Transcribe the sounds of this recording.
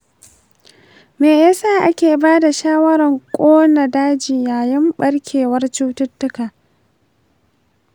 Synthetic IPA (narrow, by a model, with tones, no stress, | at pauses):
meː˨jaː˦saː˦˨ʔa˦kʲeː˨baː˦da˨ʃaː˦wɐ˦ɾɐ˨ŋkʷʼoː˦na˨daː˦d͡ʒɪ˨jaː˨jɪ˦mɓɐ˦ɽkʲʰeː˨wɐ˦rt͡ʃu˦tʊ˦tːʊ˦kaː˨